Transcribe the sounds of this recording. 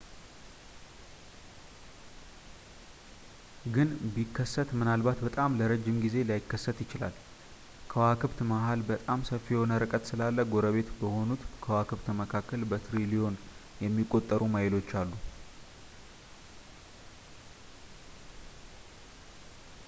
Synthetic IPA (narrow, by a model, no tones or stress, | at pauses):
ɡɨnbikʰːəsːət̪mɨnalbat̪bət̪ʼamləɾəd͡ʒːɪmɡize̞lajɪkːəsːət̪jɪt͡ʃɪla̰l | kʰəwakʰɨβt̪maɦalbət̪ʼamsəfːijɛho̞nəɾɨkʼət̪sɨlalːəɡo̞ɾəβe̞t̪bəho̞nut̪kʰəwakɨβt̪məkʰakːəlbət̪ɾilijo̞n | jɛmːikʼːo̞t̪ʼːəɾumajɪlo̞t͡ʃːalːu